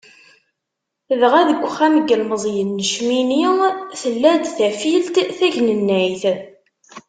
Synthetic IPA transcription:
ðʁæðəɡʷχæməɡəlməzˤjənːəʃminiθəlːæd̪θæfilt̪θæʝnənːæjθ

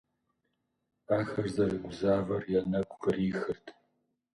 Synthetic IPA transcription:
aːxɐrzɐrɨɡʷʊzaːvɐrjɛnɐkʷʰʼxɨriːxɨrtʰ

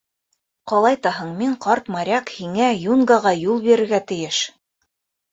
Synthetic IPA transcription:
qɑlˠɑjt̪ɑɦɤɴmiɴqɑɾt̪mɑɾʲɑkhiŋæjunɡɑʁɑjulˠbiɾɘ̆ɾɡæt̪ɘ̆jɘʃ

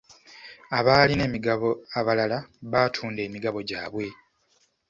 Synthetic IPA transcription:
aβaːline̞ːmiɡaβo̞aβalalaβaːtʰuːnde̞ːmiɡaβo̞ɟa̰ːβwe̞

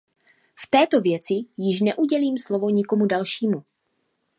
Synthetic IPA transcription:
ft̪ɛːt̪o̞vjɛt͡sɪjɪʃnɛʔuɟɛliːmslo̞vo̞ɲɪko̞mudalʃiːmu

